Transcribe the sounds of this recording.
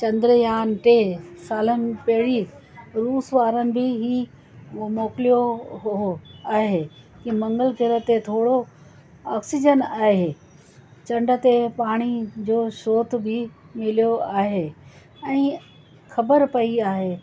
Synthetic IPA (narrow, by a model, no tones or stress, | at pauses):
t͡ɕɐ̃nd̪ɾjaːnʈeːsaːlənɪ̆pɐɦɪɽiɾuːsʋaːɾənɪ̆bɪɦi | moːklijoɦoaːɦe | kimɐ̃ŋɡəlɡɪɾə̆t̪et̪ʰoːɽo | aːksid͡ʑənaːɦe | t͡ɕɐ̃ɳɖə̆t̪epaːɽ̃id͡ʑoːʃoːt̪̆ʰbɪ | mɪlijoaːɦeː | ɛ̃ː | xɐbəɾpɐiaːɦeː